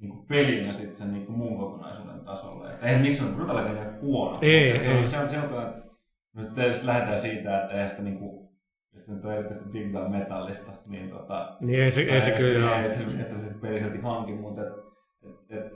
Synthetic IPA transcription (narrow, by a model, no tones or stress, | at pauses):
niːŋkupelinæsit̪senniːŋkumuːŋkokonɑ̰isṵːdḛnt̪ɑso̰lːɑ̰ḛt̪ːeihæsemisːænt̪rut̪ɑlːɑkenkhuono̰eoset̪selt̪ːɑkɑnet̪ | not̪t̪eˑest̪læhet̪æːsiːt̪æet̪ːæeihænsi̥t̪æniːŋku | st̪ːnyt̪ːoerit̪ːyst̪ibiɡlɑːmet̪ɑlːist̪ɑnḭːnt̪o̰t̪ɑ̰nieiseeiekyljoet̪ːæseet̪ːæsipeliselt̪ihɑŋkimut̪et̪ | et̪et̪